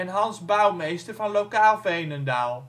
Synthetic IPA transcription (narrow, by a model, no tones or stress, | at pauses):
ɛnɦɑnzbɑwmejstəɹvɑnlowkaːlˠvɛjnəndalˠ